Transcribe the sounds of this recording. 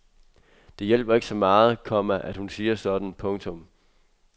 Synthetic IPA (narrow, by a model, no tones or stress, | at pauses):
d̥e̝jel̰b̥ɐe̝ɡ̥sɒ̽mɑ̈ːð̞̩ˠkʰɒ̽m̰æʔæd̥hunsiːɐsɒ̽d̥n̩pʰɔ̽ŋt͡sʰɔ̽m